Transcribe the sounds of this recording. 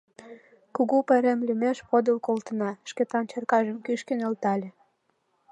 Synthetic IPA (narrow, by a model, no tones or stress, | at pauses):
kuɣupeɾemlymeʃpod̪əlkolt̪ə̆nɑʃket̪ɑnt͡ɕɤrkɑʒəmkyʃkenelt̪ɑlʲĕ